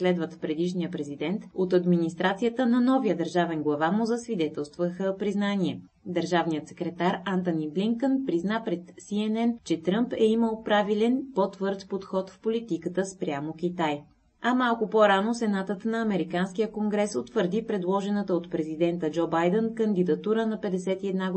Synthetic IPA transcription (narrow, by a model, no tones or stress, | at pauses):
slɛd̪vət̪pɾɛd̪iʃnijəpɾɛzid̪ɛnt̪ot̪ɐd̪minist̪ɾat̪sijət̪ənɐnɔvijəd̪əɾʒavɛnɡlˠɐvamʊzəsvid̪ɛt̪ɛlˠst̪vəxəpɾiznaniɛ | d̪əɾʒavnijət̪sɛ̥kɾɛt̪aɾant̪ənibliŋkənpɾiznapɾɛt̪siɛnɛnt͡ʃɛt̪ɾɤmpɛiməlˠpɾavilɛnpot̪vɤɾt̪pot̪xɔt̪fpolit̪ikət̪əspɾʲjamok̟ʲit̪aj | ɐmalˠkʊpoɾanosɛnat̪ət̪nɐːmɛɾikansk̟ijəkoŋɡɾɛsot̪vəɾd̪ipɾɛd̪lˠɔʒɛnət̪əot̪pɾɛzid̪ɛnt̪əd͡ʒɔbajd̪ənkənd̪id̪ɐt̪uɾənɐpɛd̪ɛsɛt̪iɛd̪na